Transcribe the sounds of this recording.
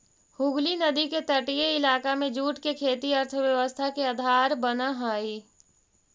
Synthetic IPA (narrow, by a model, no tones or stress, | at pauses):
hʊɡlinɐd̪iket̪əʈijeɪlaːkamẽd͡ʒuːʈkekʰeːt̪iɐɾt̪ʰəʋjɐʋəst̪ʰakeaːd̪ʱaːɾbənaɦaːiː